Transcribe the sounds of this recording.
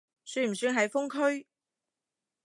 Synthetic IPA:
syː˧˥m̩˨˩syː˧˥ŋɦɐ˨˥jfʊ˥ŋkʰɵ˥ɥ

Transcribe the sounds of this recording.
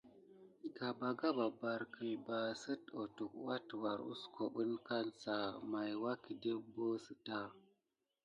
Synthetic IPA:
i˨ɡa˨ba˨ɡa˦ba˨ba˨ɾkə˨ba˨sə˦to˨tu˨kwa˦twa˨ɾṵ˦sko˨ɓə˦nka˦nsa˨ma˨jwa˦ki˨de˦bo˦sə˨ta˦

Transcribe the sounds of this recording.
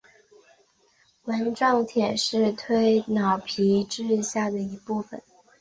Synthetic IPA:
wə˧˥nʈ͡ʂɑ˥˩ŋt̪ʰjɛ˨˩nʂɻ̩˥˩t̪ʰwe˥ɪnɑ˨˩ʊpʰi˧˥ʈ͡ʂɻ̩˥˧ɕja˥˩d̪ə˩i˧˥pu˥˩fə̰˨˩˦n

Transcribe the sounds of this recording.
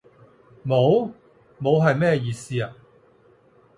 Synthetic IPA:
mo˨˧w | mo˨˧wɦɐ˨jmɛː˥jiː˨siː˥ɐ˨

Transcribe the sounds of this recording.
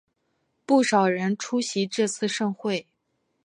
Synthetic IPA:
pu˥˩ʂɑ˨˩ʊɻə˧˥nʈ͡ʂʰu˥ɕi˧˥ʈ͡ʂɤ˥˧t͡sʰɹ̩˥˧ʂɤ˥˧ŋxwe˥˩ɪ

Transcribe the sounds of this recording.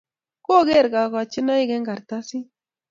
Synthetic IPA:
ko˦ɡe˦ɾɡa˨ka˨t͡ʃi˦na˦i˦ɡɛ˦ŋɡa˨ɾt̪a˦si˦

